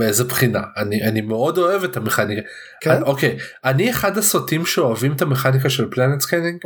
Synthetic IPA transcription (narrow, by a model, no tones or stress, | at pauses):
beezepχina̰aniʔanimeo̞do̞e̞vetame̞χanika | kokejanieχadasotimʃeoavimet̪ameχanik̬aʃe̞lplanet̪skeniŋɡ